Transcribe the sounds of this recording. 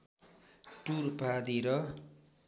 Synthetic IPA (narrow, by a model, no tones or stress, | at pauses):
ʈurpad̪iɾʌ